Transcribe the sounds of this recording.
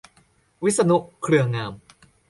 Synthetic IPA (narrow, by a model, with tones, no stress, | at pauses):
wi˦˥t̪̚sa˧nu˦˥kʰɾɯ˧ɐŋaː˧m